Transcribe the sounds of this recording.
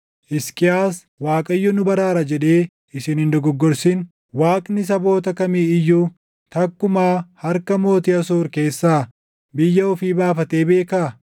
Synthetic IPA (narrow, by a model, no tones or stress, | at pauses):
ʔɪskʼɪaːs | waːkʼɐjːɔnʊbɐɾaːɾɐd͡ʒɛᶑe̞ː | ɪsɪnɪnd̪ɔɡɔɡːɔɾsin | waːkʼnɪs̬ɐbo̞ːt̪ɐkɐmiːɪjːuː | t̪ɐkːʊmaːhɐɾkɐmo̞ːt̪ɪɐsoːɾke̞ːsːaː | bɪjːɐɔfiːbaːfɐt̪e̞ːbe̞ːkaː